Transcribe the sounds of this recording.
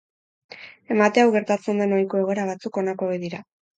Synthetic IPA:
e̞mat̪e̞awɣe̞ɾt̪at͡se̞nd̪e̞najko̞e̞ɣ̞o̞e̞ɾaβ̞at͡suko̞nakoejðiɾa

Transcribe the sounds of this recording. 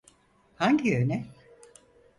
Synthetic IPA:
haɲɟiønɛ

